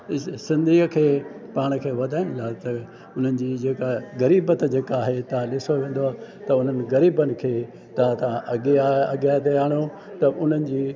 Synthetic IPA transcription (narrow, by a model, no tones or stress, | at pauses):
sɪ̃nd̪ʱiːəkʰeːpaːɽ̃əkʰeːʋɐd̪ʱaːɪɽ̃ɪlaːt̪ɐ | ʊn̤ənɪ̆d͡ʑiːd͡ʑeːkaɣɐɾiːbət̪d͡ʑeːkaːɦet̪ɐãɗɪsoʋẽːn̆d̪oaːt̪ɐʊn̤ənɪ̆ɣɐɾiːbənɪ̆kʰeː | t̪ɐãt̪ãʔɐɠiaɐɠjat̪eaːɽ̃o | t̪ɐʔʊn̤ənɪ̆d͡ʑiː